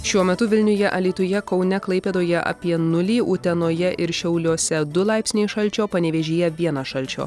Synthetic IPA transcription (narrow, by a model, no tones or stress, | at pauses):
ʃʲuɔmʲɛt̪ʊʋʲɪlʲnʲʊjɛʔɐlʲiːt̪ʊjɛkɒʊnʲɛklˠɐɪpʲeːd̪oːjɛʔɐ̰pʲiɛnʊlʲiːʔʊt̪ʲɛnoːjɛʔɪɾʃʲɛʊlʲuːsʲɛd̪ʊlˠɑˑɪpʲsʲnʲeɪʃɐlʲˑt͡ʃʲoːpɐnʲɛʋʲeːʒʲeːjɛʋʲiɛnɐʃɐlʲt͡ʃʲo̰ː